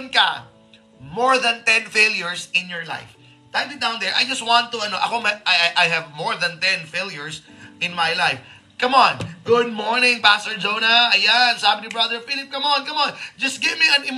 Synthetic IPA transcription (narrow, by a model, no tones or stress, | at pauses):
nkɐ̰ | mɔɹðɐ̃nt̪ɛ̃nfeljʊɹsɪ̃njɔɹla̰jf | t̪and̪ɪd̪aw̃nd̪ɛɹʔa̰jd͡ʒɐst̪̚wãnt̪ːʊɐnoʔɐ̰komɐʔaʔajɦɛvmɔɹðɐ̃nt̪ɛ̃nfeljʊɹsʔɪ̃nmajlajf | kɐmonɡʊd̪̚mɔɹnɪ̃ŋpast̪oɹd͡ʒownɐɐjansabɪnibɹɐd̪ɛɹfilɪp̚kɐmonkɐmɔnd͡ʒɐst̪ɡɪvmiɐ̃nɪm